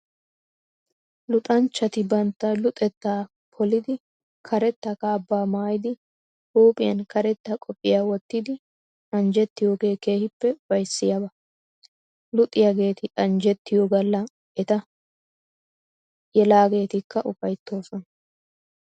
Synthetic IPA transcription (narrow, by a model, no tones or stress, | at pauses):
lʊt̪ʼɐnt͡ʃːɐt̪ɪbɐnt̪ːɐlʊt̪ʼɛt̪ːaː | pʰɔlɪd̪ɪ | kʰɐɾɛt̪ːɐkaːbːaːmaːjɪd̪ɪ | huːpʼɪjɐnkɐɾɛt̪ːɐkʼɔpʼːɪjaːwɔt̪ːɪd̪ɪ | ɐnd͡ʒɛt̪ːɪjoːɡe̞ːke̞ːhɪpːɛbɐjsːɪjabɐ | lʊt̪ʼːɪjaɡe̞ːt̪ɪɐnd͡ʒɛt̪ːɪjoːɡɐlːɐ | ɛt̪ɐ | jɛlaːɡe̞ːt̪ɪkːɐʔʊfɐjt̪ːo̞ːsɔnɐ